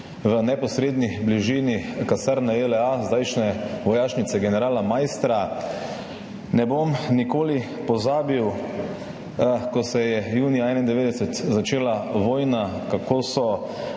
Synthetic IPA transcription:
ʋənɛpɔsɾeːd̪nibliʒiːnikasɛɾnaelɛazd̪ajʃnɛʋɔjaːʃnit̪sɛɡɛnɛɾaːlamajst̪ɾa | nɛbomnikoːli | pɔzaːbiw | kɔsɛjɛjuːnijaɛnaind̪ɛʋeːd̪ɛsɛt̪zat͡ʃeːlaʋoːjnakakoːsɔ

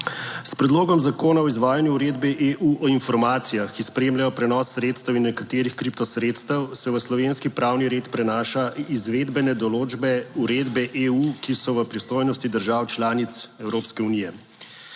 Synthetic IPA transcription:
spɾɛd̪loːɡɔmzakoːnaɔizʋaːjanjuuɾeːd̪bɛʔeʔuʔɔinfɔɾmaːt̪sijaxkispɾeːmlajɔpɾɛnɔsːɾeːt̪st̪əwinːɛkat̪eːɾixkɾip̚t̪ɔsɾeːt̪st̪əwsɛʋəslɔʋeːnskipɾaːwniɾeːt̪pɾɛnaːʃaizʋed̪bɛnɛd̪ɔloːd͡ʒbɛuɾed̪bɛʔeukisɔʋəpɾist̪oːjnɔst̪id̪əɾʒawt͡ʃlaːnit̪sɛwɾoːpskɛunijɛ

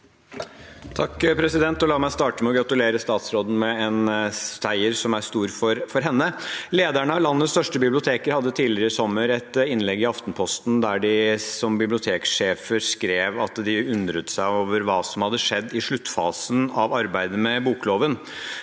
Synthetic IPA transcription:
t̪ʰɑkːpʰɾɛsɪd̪ɛnt̪ɔlɑːmæɪst̪ɑːʈəmɛɔɡɾɑt̪ʉleːɾəst̪ɑːt̪sɾoːd̪n̩mɛɛnst̪ʰæɪəɾsɔmæst̪uːɾfɔɾfɔɾɦɛnːəleːd̪æɳəɑlɑnːət̪st̪œʂʈəbɪblɪʊt̪ʰeːkəɾhɑd̪ːət̪ʰiːlɪəɾəsɔmːəɾɛt̪ɪnlɛɡːɪɑft̪npʰɔst̪nd̪æɖɪsɔmbɪblɪʊt̪ʰeːkʂeːfəskɾeːʋɑt̪d̪ɪʉnd̪ɾət̪sæɪoːʋəɾʋɑːsɔmhɑd̪ːəʂɛd̪ːɪʂɭʉt̪ːfɑ̰ːsənɑʋɑɾbæɪd̪əmɛbuːkloːʋən

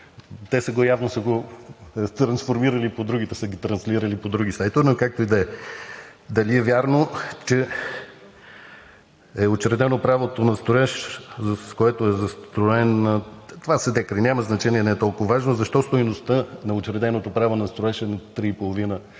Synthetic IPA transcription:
t̪ɛsəɡojavnosəɡo | t̪ɾɐnsfoɾmiɾəlipod̪ɾuɡ̟it̪ɛsəɡit̪ɾɐnslʲiɾəlipod̪ɾuɡ̟isajt̪onokak̚t̪oid̪ɛɛ | d̪ɐliɛvʲjaɾnot͡ʃɛ | ɛot͡ʃɾɛd̪ɛnopɾavot̪onɐst̪oɛʃzskoɛt̪oɛzɐst̪t̪ɾoɛnt̪ovasəd̪ɛkɾinʲaməznɐt͡ʃɛniɛnɛɛt̪ɔlˠkʊvɐvaʒnozɐʃt̪ɔst̪ojnost̪ənɐot͡ʃɾɛd̪ɛnot̪opɾavonɐst̪ɾoɛʃɛnɐt̪ɾiːpolˠovinə

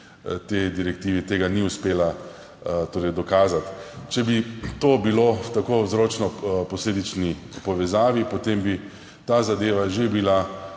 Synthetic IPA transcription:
t̪ed̪iɾɛkt̪iːʋit̪eːɡaniʊspeːla | t̪oːɾɛjd̪ɔkaːzat̪t͡ʃɛbit̪oːbiloft̪akozɾoːt͡ʃnɔpɔsleːd̪it͡ʃnipɔʋɛzaːʋipot̪embi | t̪azad̪eːʋaʒebila

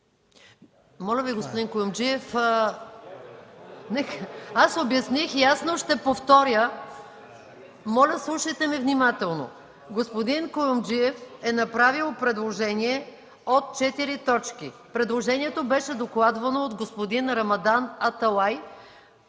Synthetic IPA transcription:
mɔlʲɐviɡospod̪inkojomd͡ʒiɛf | nɛkasobjɐsnixiasnoʃt̪ɛpoft̪ɔɾjə | mɔlʲəslˠuʃɐjt̪ɛmivnimat̪ɛlˠno̰ | ɡospod̪inkojomd͡ʒiɛfɛnɐpɾavilˠpɾɛd̪lˠoʒɛniɛ | ot̪̚t͡ʃɛt̪iɾit̪ɔt͡ʃkipɾɛd̪lˠoʒɛniɛt̪obɛʃɛd̪oklˠad̪vɐnoːd̪ɡospod̪inɾɐmɐd̪anɐt̪ɐlˠaj

